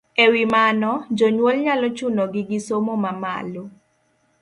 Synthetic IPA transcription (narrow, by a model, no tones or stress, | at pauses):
ewimanɔd͡ʒoɲwolɲalɔt͡ʃunoɡɪɡɪsomomama̰lo